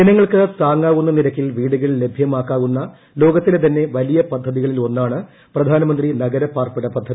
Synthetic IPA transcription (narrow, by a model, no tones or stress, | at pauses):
enɐŋːɐɭkɨsaːŋːaːɣunːɐniɾɐkʲːilʋiːɽuɣɐɭle̞bʱjɐmaːkːaːɣunːɐ | lo̞ːɡɐt̪ːilet̪ɐnːe̞ʋɐlijɐpɐd̪ʱːɐðiɣɐɭilo̞nːaːɳɨ | prɐd̪ʱaːnɐmɐnd̪rinɐɡɐɾɐpːaːrpiɽɐpɐd̪ʱːɐði